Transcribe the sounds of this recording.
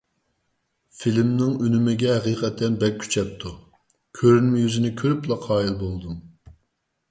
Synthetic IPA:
filmnɪŋynymɪɡʲɛɦɛqiːqʰɛt̪ʰːɛnbɛk̚ʲkʲʰːy̥t͡ʃʰɛp̚t̪ʰu | kʲʰøɾynmjyzɪnɪkʲʰøɾyplˠɑqʰɑːilbolˠd̪um

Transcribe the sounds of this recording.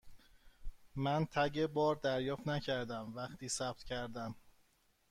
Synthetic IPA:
mænt̪ʰæɟebɒːɾd̪æɾjɒːft̪næcʰæɾd̪æmvæxt̪ʰiːsæp̚t̪ʰcʰæɾd̪æm

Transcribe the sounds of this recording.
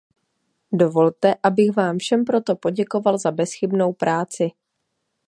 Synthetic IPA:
do̞vo̞lt̪ɛʔabɪxvaːmfʃɛmpɾo̞t̪o̞po̞ɟɛko̞valzabɛsxɪbno̞wpɾʔaːt͡sɪ

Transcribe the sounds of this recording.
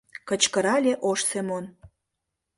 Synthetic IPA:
kə̆t͡ɕkəɾɑlʲeʔoʃsemon

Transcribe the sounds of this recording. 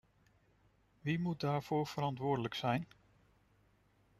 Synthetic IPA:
ʋimut̚daːɹv̥ʊːɹv̥əɾɑntʋʊːɹdələksɛjn

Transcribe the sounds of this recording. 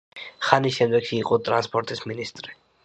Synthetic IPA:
χanisʃɛmd̪ɛɡʃiːqʼɔt̪ʼɾanspʰɔɾt̪ʼisminist̪ʼɾi

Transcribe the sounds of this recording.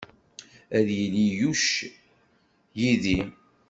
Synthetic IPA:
æðjəlijuʃ | jiði

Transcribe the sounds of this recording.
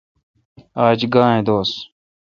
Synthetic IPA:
aːd͡ʑɡãːɦẽːd̪oːs

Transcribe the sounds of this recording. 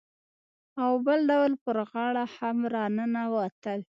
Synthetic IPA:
awbəlɖawlpəɾɣɑɽahamɾɑnənawat̪əl

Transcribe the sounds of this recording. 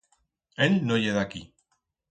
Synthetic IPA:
elnoʝeðaki

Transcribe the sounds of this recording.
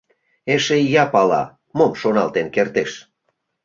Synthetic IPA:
eʃejɑpɑlɑ̰ | momʃonɑlt̪enkert̪eʃ

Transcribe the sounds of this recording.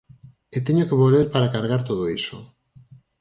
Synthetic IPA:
et̪eɲokeβolβeɾpaɾakaɾɣaɾt̪oð̞oiso

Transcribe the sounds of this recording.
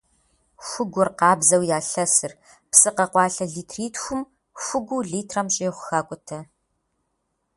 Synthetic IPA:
xʷʊɡʷʊrqɑːbzɐwjaːɬɐsɨr | psɨqɐqʷɑːɬɐɮiːtʰriːtxʷʊm | fʷʊɡʷuɮiːtʰrɐmɕʼeːχʷʊxaːkʷʼʊtʰɐ

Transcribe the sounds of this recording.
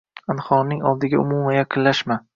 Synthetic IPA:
anχɒɾnɪŋɒlˠd̪ɪɡʲaʊ̰mumajaqʰɨnlaʃma

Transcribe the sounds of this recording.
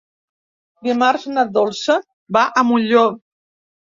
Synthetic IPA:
d̪imarznad̪olˠsə | baʔəmuʎo

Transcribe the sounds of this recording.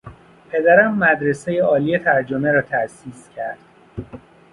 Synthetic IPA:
pʰe̞d̪æɾæmːæd̪ɾe̞sejeɒːlije̞t̪ʰæɾd͡ʒomeɾɒːt̪ʰæsiːscʰæɾd̪̥

